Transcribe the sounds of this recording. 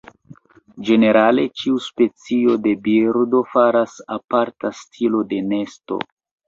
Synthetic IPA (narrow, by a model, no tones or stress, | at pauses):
d͡ʒe̞ne̞ɾale̞t͡ʃiuspe̞t͡sio̞de̞biɾdo̞faɾasapaɾtastʰilo̞de̞ne̞sto̞̰